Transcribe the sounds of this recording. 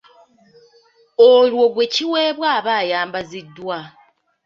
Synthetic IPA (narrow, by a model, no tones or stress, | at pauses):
olwo̞ɡwe̞ciweːβwaːβaːjaːmbazidːwa